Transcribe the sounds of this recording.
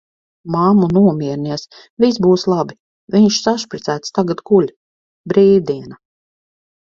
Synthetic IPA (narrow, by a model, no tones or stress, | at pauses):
mamunuɔmʲiɛɾniɛs | vis̬buːslˠabi | viɲʃsaʃpɾit̪sæːt̪st̪aɡat̪ɡulʲ | bɾiːd̪iɛna